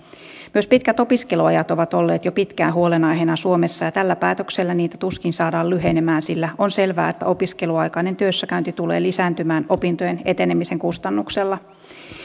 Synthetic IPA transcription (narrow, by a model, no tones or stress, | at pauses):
myø̞spit̪kæt̪o̞piske̞luɑjɑt̪o̞ʋɑt̪o̞lːḛːt̪jopit̪kæːnɦuo̞lenɑjɦenɑsuo̞mesːɑjɑt̪ælːæpæːt̪økselːæniːt̪æt̪uskinsɑːdɑːlyɦenemæːnsilːæo̞nse̞lʋæ̰ːet̪ːæ̰o̞piske̞luɑjkɑinent̪øsːækæynt̪it̪ule̞̰ːlisæːnt̪ymæːno̞pint̪ojene̞t̪enemise̞ŋkust̪ɑnːukse̞lːɑ